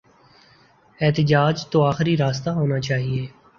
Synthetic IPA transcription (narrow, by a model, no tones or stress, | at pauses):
ɛːt̪əd͡ʒaːd͡ʒt̪oːaːxɾiɾaːst̪aːɦoːnat͡ʃaːɦieː